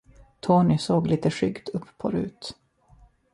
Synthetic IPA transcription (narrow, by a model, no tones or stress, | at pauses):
t̪ʰoːnɪsoːɡliːt̪əʂʏ̰ɡd̪ɵpːpʰːɔ̰ɾʉ̟ːt̪